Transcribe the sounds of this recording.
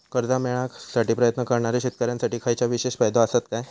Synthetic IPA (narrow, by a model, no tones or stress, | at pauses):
kəɾd̪amɛɭasaʈiːpɾəjət̪nəkəɾɳ̃aɾeɕit̪̚kəɾjãnsaʈiːkʰajt͡ɕjaʋiɕeɕfajd̪ʱaəsət̪kaj